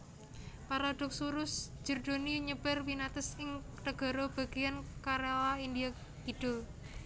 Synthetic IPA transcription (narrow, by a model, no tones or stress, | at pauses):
paɾad̪̥ɔ̤k̚suɾʊsd͡ʒ̥ə̤rd̪̥oniɲəb̥ərwinat̪əsɪŋ | t̪əɡ̥ɔ̤ɾob̥a̤ɡ̥ejankaɾelaindia | kiɖ̪̥o